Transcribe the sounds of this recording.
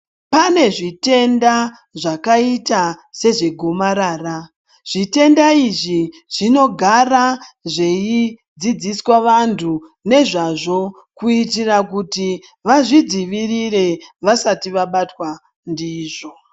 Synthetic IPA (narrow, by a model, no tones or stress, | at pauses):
pane̞ʐite̞nda | ʐakaitase̞ʐe̞ɡʱo̞maɾaːra | ʐ̥ite̞ndaiʐi | ʐ̥ino̞ɡʱaraʐe̞i | d͡zid͡ziswaʋantʰune̞ʐaʐo̞ | kuitirakuti | ʋaʐid͡ziʋirire̞ʋasatiʋaɓatwa | ndiːʐo̞